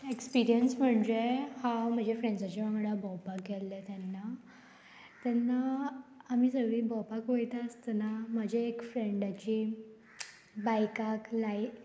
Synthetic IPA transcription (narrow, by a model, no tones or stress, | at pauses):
ekspiɾijənsm̤əɳd͡ʑehãwm̤əd͡ʑefɾẽɳɖd͡zat͡ɕiʋãŋɡɽabɔwpakːɛlːet̪ɛnːa | t̪ɛnːaː | misəʋibɔwpakʋojt̪aəst̪ənaməd͡ʑʱeːkfɾeɳɖat͡ɕiː | bajkaklai